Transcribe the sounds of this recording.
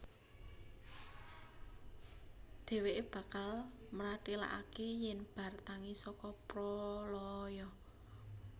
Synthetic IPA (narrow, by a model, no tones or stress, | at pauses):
d̪̥e̤weʔeb̥ä̤kalmɾaʈila̰ʔakejɛnb̥ä̤rt̪aŋisɔkɔpɾɔlɔjɔ